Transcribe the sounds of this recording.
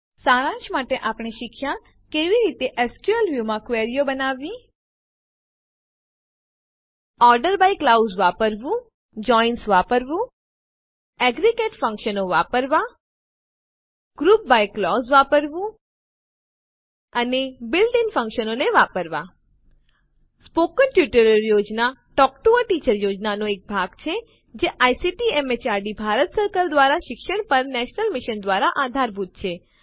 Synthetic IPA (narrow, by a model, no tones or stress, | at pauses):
saːɾãt͡ʃmaʈeʔapɳ̃iʃɪkʃja | keʋiɾit̪eʔɛskjuəlʋjumãkʋeɾijobənaʋĩ | ɔɾɖəɾbajklawzʋapəɾʋũ | d͡ʒɔinsʋapəɾʋũ | ɛɡɾikeʈfə̃ŋkʃənoʋapəɾʋa | ɡ̥ɾuːp̚bajklɔsʋapəɾʋũ | ənebɪlɖiŋfə̃ŋkʃənoneʋapəɾʋa | spokənʈjuʈəɾəɾjod͡ʒnaʈɔkʈuəʈit͡ʃəɾjod͡ʒnanoek̚bʱaɡt͡ʃʰe | d͡ʒeʔajsiʈiɛmet͡ʃaɾɖibʱaɾət̪səɾkəɾd̪ʋaɾaʃɪkʃəɽ̃pəɾnɛʃnəlmɪʃənd̪ʋaɾaʔad̪ʱaɾbʱut̪̚t͡ʃʰe